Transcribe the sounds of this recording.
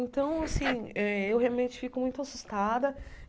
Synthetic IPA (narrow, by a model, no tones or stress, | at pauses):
ẽnt̪ɐ̃w̃asĩɛewɦealmẽnt͡ʃɪ̥fikʊmũj̃t̪ʊasust̪ad̪ɐ